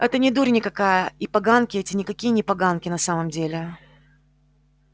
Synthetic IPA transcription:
ɛt̪ənʲɪd̪uɾʲnʲɪkɐkajəipɐɡankʲɪɛtʲɪnʲɪkɐkʲijənʲɪpɐɡankʲɪnɐsaməmdʲelʲɪ

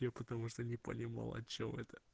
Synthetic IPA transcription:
epət̪ɐmuʂt̪onʲɪpə̰nʲɪma̰lˠɐ̰t͡ɕːomɛt̪ə̥

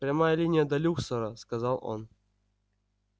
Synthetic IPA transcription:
ɾʲamajəlʲinʲɪjəd̪ɐlʲuksoɾəskɐzɑlˠo̰n

